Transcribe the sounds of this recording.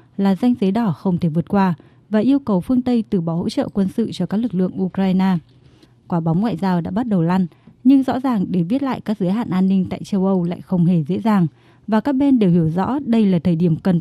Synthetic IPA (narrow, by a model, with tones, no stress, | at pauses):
laː˨˩za˧jŋ̟zə˨˦jɗɔ˧˩xə˧wŋ͡mt̪ʰe˧˩vɨ˨˩ət̚kwaː˧ | vaː˨˩ʔi˧əwkə˨˩wfɨ˧əŋt̪ə˧jt̪ɨ˨˧˩ɓɔ˨˦ho̰˧˥t͡ɕə̰ː˧˨kwə˧nsɨ̰˧˨t͡ɕɔ˧kaː˦˥k̚lɨ˨˩k̚lɨ̰˧˨əŋʔu˧kɾaː˧jnaː˧ | kwaː˨˦ɓa˨˦wŋ͡mŋwa̰ː˧˨jzaː˧wɗa̰ː˧˥ɓa˦˥t̚ɗə˨˩wla˧jŋ | ɲɨ˧ŋzɔ̰˧˥zaː˨˩ŋɗe˨˩vi˦˥t̚la̰ː˧˨jkaː˦˥k̚zɨ˨˦jɦa̰ː˧˨nʔaː˧nːï˧ŋ̟t̪a̰ː˧˨jt͡ɕə˧wʔə˧wla̰ː˧˨jxə˧wŋ͡mhe˧˩zḛ˧˥zaː˨˩ŋ | vaː˨˩kaː˦˥k̚ɓe˧nɗe˨˩whi˧˩əwzɔ̰˧˥ɗə˧jlaː˨˩t̪ʰəː˨˩jɗi˧˩əmkə˨˩n